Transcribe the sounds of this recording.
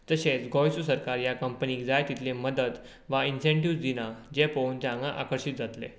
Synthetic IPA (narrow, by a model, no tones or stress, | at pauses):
t̪əɕet͡sɡɔjsusəɾkaɾjakəmpəniːd͡zajt̪it̪ʰleməd̪ət̪ | ʋainsẽɳʈiʋsd̪inad͡ʑepownd͡z̪ãŋɡaʔa̰kəɾɕit̪̚d͡zat̪lḛ